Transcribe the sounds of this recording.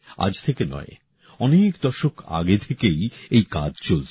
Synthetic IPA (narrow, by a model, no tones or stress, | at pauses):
a̰d͡ʑt̪ʰekenɔ̰e | ɔnekd̪ɔʃokʰa̰ɡet̪ʰekejejkad͡ʑt͡ɕolt͡ɕʰ